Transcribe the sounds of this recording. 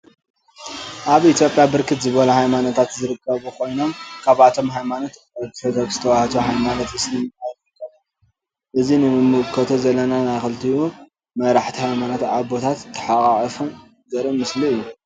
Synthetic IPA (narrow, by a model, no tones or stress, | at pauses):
ʔaβit̪ʰjo̞pʼjabɨɾkʰɨt̪zɨβɐluhajmanot̪ʰat̪zɨɾɨkʰːɐβukʰo̞jno̞mkʰaβʔat̪ʰo̞mɦajmanot̪ | ɐkfɐzɐkz̥ɨt̪ʰɐwaht̪ʰoɦajmanot̪ɨslɨmajɾɾɨkʰːɐβɨ | ʔɨzinɨɨmɨkʰːɐt̪ʰozɐlːɐnanajxɨlt̪ʰiu | mɐɾaħt̪ʰihajmanot̪aβbo̞t̪ʰat̪ʰːɐ̥ħaχʼaʔʼfun | zɐɾɨmɨsliɨjːu